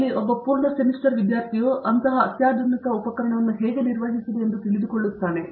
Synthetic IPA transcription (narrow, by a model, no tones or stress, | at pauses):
liobːɐpuːɾɳɐsemiʂʈɐɾʋid̪jaːɾt̪ʰijoːʔɐnt̪ɐɦɐɐt̪jaːd̪ʱɐnikɐupɐkɐɾɐɳɐʋɐnːuɦeːɡeniɾʋɐɦisid̪eend̪ut̪iɭid̪ukoɭːut̪ːaːne̞